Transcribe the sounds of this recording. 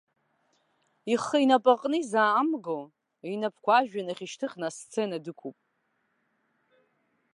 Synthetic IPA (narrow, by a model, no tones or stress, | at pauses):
iχːəinapʼaqʼnɨizaːmɡo | inapʰkʷʰaʒᶣanaχʲiʃtʰɨχʲnast͡sʰenadɨkʷʰupʼ